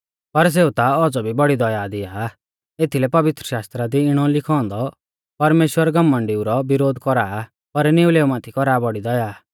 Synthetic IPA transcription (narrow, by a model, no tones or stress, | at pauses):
pɐɾs̬eːut̪aɔd͡zɔbʱibɐɽid̪ɔjaːd̪ɪjaː | et̪ʰilɛpɐʋɪt̪ɾəʃaːst̪ɾad̪iɪɽ̃ɔlɪkʰɔ̃ːnd̪ɔ | pɐɾmeːʃwəɾɡɐmːə̃ɳɖɪuɾɔbɪɾoːd̪kɔɾaː | pɐɾneuleːumaːt̪ʰikɔɾaːbɔɽid̪ɔjaː